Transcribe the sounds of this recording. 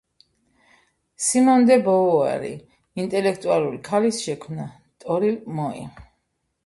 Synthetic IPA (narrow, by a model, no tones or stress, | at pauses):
simɔnd̪ɛbɔɔa̰ɾḭ | int̪ʼɛlɛkʰt̪ʼualˠuɾikʰalisʃɛkʰmna | t̪ʼɔɾimɔḭ